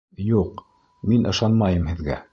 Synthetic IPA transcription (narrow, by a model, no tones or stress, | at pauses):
juq | minʔɤ̆ʃɑnmɑjɤmhɘ̆ðɡæ̰